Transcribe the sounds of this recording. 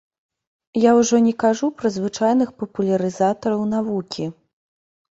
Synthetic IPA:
jawʐɔnʲɛkaʐupɾɐzvɨt͡ʂajn̪ɨxpɐpulʲɐɾɨzat̪ɐɾɐwn̪avukʲi

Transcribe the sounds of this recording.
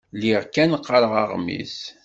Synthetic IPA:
liʁkænqːəɾəʁɑʁmḭs

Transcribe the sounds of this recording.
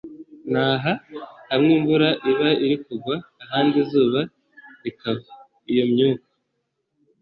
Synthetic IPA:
naːɦahamŋiːmbuɾaʔiβaiɾikuɡwaːɦaːndizuːβa | ikaβa | ijo̞mɲuːkḁ

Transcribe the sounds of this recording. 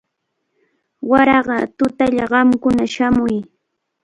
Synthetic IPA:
waɾɑɢɑt̪ʊt̪aʎaɢɑmkʊnaʃamʊj

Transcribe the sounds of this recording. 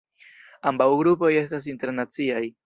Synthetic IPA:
ambawɡɾupo̞je̞stas̬inte̞ɾnat͡siaj

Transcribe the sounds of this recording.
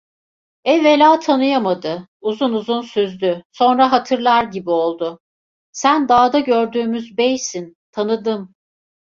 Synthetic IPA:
ɛvelʲaːt̪ʰanɯjamad̪ɯuzunuzunsyzd̪yso̞nɾaɦat̪ʰɯɾlˠaɾɟibio̞lˠd̪ʊ | sænd̪aːd̪aɟøɾd̪yːmyzbɛjsint̪ʰanɯd̪ɯm

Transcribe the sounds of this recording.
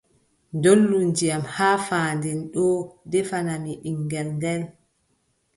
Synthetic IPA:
ndolːund͡ʒijamhaːfaːndɛnɗɔdɛfanamiɗiŋɡɛlndɛl

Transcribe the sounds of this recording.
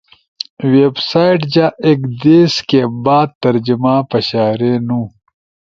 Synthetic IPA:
websaːiʈd͡ʑaekd̪eːskebaːd̪̚t̪ɐɾd͡ʑimãːpɐɕaːɾenũː

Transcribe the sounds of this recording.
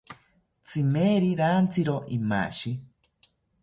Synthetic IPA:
t͡sʰimeɾiɾaːnt͡sʰiɾoʔima̰ʃi

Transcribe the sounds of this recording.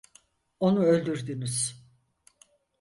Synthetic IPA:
o̞nuø̞lʲd̪yɾd̪ymyz̥

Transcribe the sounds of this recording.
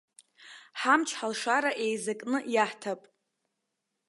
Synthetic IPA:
ħamt͡ʃʰħalʂaɾaʔe̞jzakʼnɨjaħtʰapʼ

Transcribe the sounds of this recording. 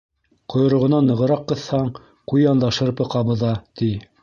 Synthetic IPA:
qŏjŏɾŏʁŏnɑnːɤ̆ʁɤ̆ɾɑqːɤ̆θhɑɴ | qujɑnd̪ɑʃɤɾpɤ̆qɑβɤ̆ðɑt̪i

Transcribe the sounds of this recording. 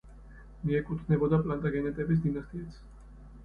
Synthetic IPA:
niekut̪neβod̪aplant̪aɣenet̪ɛbez̬d̪inast̪iet͡s

